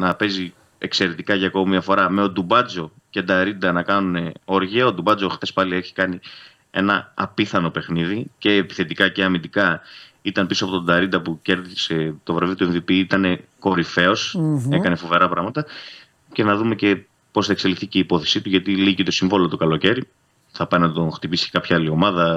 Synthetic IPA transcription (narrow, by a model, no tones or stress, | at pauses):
nɐpe̞zi | e̞kse̞ɾe̞t̪ikɐʝɐːkoomiɐfo̞ɾɐme̞od̪ubɐt͡so̞ | ce̞d̪ɐɾind̪ɐnɐkɐnune̞o̞ɾʝiɐo̞d̪ubɐd͡zoxθe̞spɐlie̞çi̥kɐni | e̞̰nɐ̰ɐ̰piθɐno̞pe̞xniðice̞ːpi̥θe̞t̪ikɐceɐmind̪ikɐ | it̪ɐnpisoɐpo̞t̪ond̪ɐɾind̪ɐpuce̞ɾðise̞t̪o̞vɾɐvit̪uenðipiit̪ɐne̞ko̞ɾife̞o̞se̞kɐne̞fove̞ɾɐpɾɐɣmɐt̪ɐ | ce̞nɐðume̞ce̞ | po̞sθɐekse̞liθiceipo̞θe̞̥sit̪uʝɐt̪ilicit̪o̞siɱvo̞lot̪o̞kɐloce̞ɾi | θɐpɐjnɐt̪o̞nxt̪ipisi̥cekɐpçɐɐlio̞mɐðɐ